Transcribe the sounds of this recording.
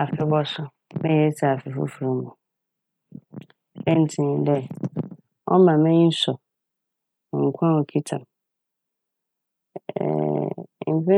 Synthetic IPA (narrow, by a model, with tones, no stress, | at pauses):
a˨fɪ˨bɔ˦sʊ˦ | mɛ̃˦jɛ˨˦tʰi˨a˨fɪ˨fʊ̰˦fu˨ɾĩ˦mʊ̃˨ | ɛ˦n̩˨tʰĩ˨dɛ˦ | ɔ̰˦mã˨mɛ̃˦ɲĩ˦n̩˦sɔ˨ | ŋ̩˨kʷʰã˦o˨kʰi˦tʰã̰˨m | ɛ̰˨m̩˨pɛ̃˦